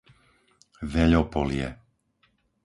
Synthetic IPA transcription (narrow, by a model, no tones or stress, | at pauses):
ʋɛʎɔpɔlɪjɛ